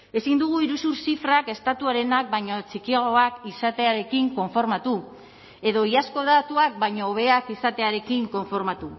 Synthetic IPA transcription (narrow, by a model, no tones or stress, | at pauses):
e̞sind̪uɣ̞uiɾusuɾsifɾake̞st̪at̪uaɾe̞nak̚bajɲot͡sikiaɣoakisat̪e̞aɾe̞kiŋko̞ɱfo̞ɾmat̪u | e̞ðo̞iasko̞ðat̪uak̚baɲo̞ːβ̞e̞akisat̪e̞aɾe̞kiŋko̞ɱfo̞ɾmat̪u